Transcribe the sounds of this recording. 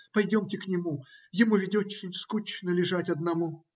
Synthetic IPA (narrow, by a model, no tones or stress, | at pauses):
pɐjdʲomtʲɪknʲɪmujɪmuvʲɪdʲot͡ɕːɪskut͡ɕnəlʲɪʐatʲɐd̪̚nɐmu